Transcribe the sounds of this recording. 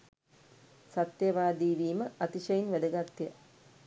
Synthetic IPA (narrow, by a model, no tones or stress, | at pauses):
sat̪jɐʋaːd̪iːʋiːməat̪iʃɐjinʋæd̪əɡat̪ːjə